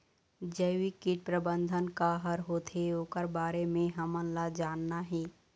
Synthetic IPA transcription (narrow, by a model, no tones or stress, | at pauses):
d͡ʒəːwikɪʈ̚pɾəbə̃nd̪ʱənkaɦəɾɦoːt̪ɦeoːkəɾbaːɾemẽɦɐmə̃nlad͡ʒaːnːaɦɛː